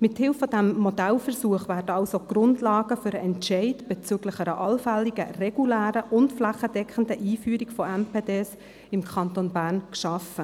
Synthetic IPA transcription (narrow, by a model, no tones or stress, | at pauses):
mɪthɪlfːɔd̥æmːodælfɛɾsuəχʋæːɾdəɑlsoɡ̥ɾʊndlɑːɡəfʏɾəʔɛntʃɛɪtb̥ɛt͡syɡləχɛɾəʔɑlfælːiɡə̰rɛɡ̥ulæːɾəʔʊntflæχəd̥ɛkχən̩dəʔiːfyːɾiɡfɔɛmpeːdeːs | ɪmkʰɑntonbæːɾnkʃɑfə